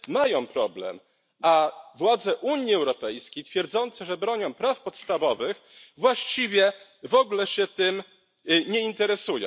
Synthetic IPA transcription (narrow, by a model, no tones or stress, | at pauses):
majɔ̃w̃pɾɔblɛ̰m | avwad̪zɛʔuɲiɛwɾɔpɛjskʲejt̪fʲjɛɾd̪zɔnt̪sɛʐɛbɾɔɲɔ̃w̃pɾafpɔt̪st̪avɔvɘx | vwaɕt͡ɕivʲjɛvɔɡlɛɕɛt̪ɘm | ɲɛint̪ɛɾɛsujɔ̰̃w